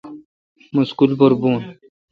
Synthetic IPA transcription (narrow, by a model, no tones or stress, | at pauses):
muskulboɾbuːn